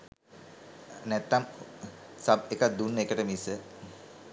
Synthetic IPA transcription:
nɛt̪ːam | sab̚ekat̪̚d̪unːəekəʈəmisə

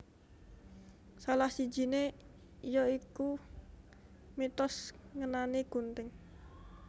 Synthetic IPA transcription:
salahsi̥d͡ʒʒ̥i̤ne | jɔiku | mit̪ɔsŋənaniɡ̥ṳnt̪ɪŋ

